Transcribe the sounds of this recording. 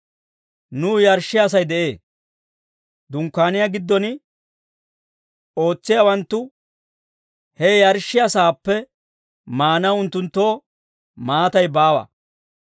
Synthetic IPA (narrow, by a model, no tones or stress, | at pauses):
nʊːjɐɾʃːɪjɐs̬ɐjd̪ɛʔe̞ː | d̪ʊŋkːaːnɪjaɡɪd̪ːɔn | o̞ːt͡sːɪjawɐnt̪ːʊ | hɛjɐɾʃːɪjɐsaːpːɛ | maːnɐʊnt̪ːʊnt̪ːo̞ː | maːt̪ɐjbaːwɐ̰